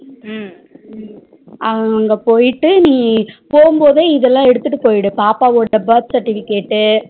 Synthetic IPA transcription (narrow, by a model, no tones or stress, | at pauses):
ʔɐɐŋɡɐpoːjɪʈːɯnĩːpoːɯmboːðeːɪðɛlːãːɛɽɯt̪ːɯʈːɯpoːjɪɽɯpaːpaːʋoːɽːɐbɐɾt̪sɐɾʈːɪfɪkeːʈːɯ